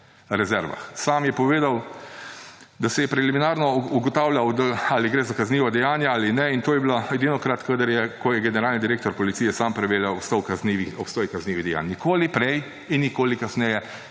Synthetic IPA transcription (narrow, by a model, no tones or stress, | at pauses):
ɾɛzɛɾʋa̰xsaːmjɛpɔʋeːd̪aw | d̪asɛjɛpɾɛliminaːɾnɔuɡɔt̪aːwlʲjawd̪aaliɡɾeːzakazniːʋɔd̪ɛjaːnjaaːlinɛint̪oːjɛblaɛd̪inɔkɾat̪kəd̪əɾjɛkɔjɛɡɛnɛɾaːlnid̪iɾeːkt̪ɔɾpɔlitsijɛsaːmpɾɛʋeːljawopst̪ɔwkazniʋiɔpst̪ɔːjkazniːʋid̪ɛja̰ːnnikoːlipɾɛj | inːikoːlikasnɛjɛ